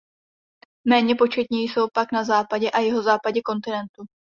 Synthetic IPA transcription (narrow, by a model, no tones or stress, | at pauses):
mɛːɲɛpo̞t͡ʃɛt̪ɲɛjso̞wpaknazaːpaɟɛʔajɛɦo̞zaːpaɟɛko̞nt̪ɪnɛnt̪u